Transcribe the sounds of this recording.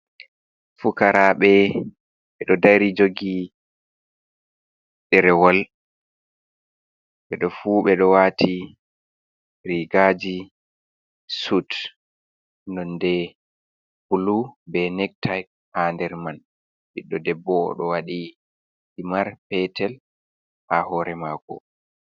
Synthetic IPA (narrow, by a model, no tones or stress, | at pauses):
fukaɾaɓɛ | ɓɛɗɔdaɾid͡ʒoɡi | ɗɛɾɛwɔl | ɓɛɗɔfuɓɛɗɔwatʰi | ɾiɡad͡ʒi | sut | nɔndɛ | pulubɛnɛk̚tʰajk̚ | handɛɾman | biɗːɔdɛbːɔ̰ɗɔwaɗi | simaɾpɛtɛl | hahɔɾɛmaːkɔ̰